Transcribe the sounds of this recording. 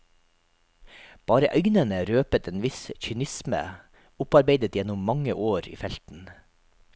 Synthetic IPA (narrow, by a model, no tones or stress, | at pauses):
b̥ɑːɾəʔœʏnənəɾøːpət̪ʰeːnʋɪsçʏnɪsmə̰ | ʊpɑɾbeɪd̪ət̪jɛnʊmːɑŋəʔoːɾḭːfɛlt̪n̩